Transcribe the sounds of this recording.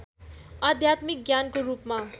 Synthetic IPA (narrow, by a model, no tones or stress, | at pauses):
ʌd̪ʱjat̪mik̚ɡjankoɾupma